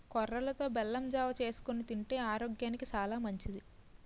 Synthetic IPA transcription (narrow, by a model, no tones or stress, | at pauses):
kɔrːɐlɐt̪o̞ːbɛlːɐmd͡ʒaːʋɐt͡ʃe̞ːsu̥konit̪iɳʈe̞ːaːɾoːɡjaːnikit͡ʃaːlaːmɐɲt͡ʃid̪i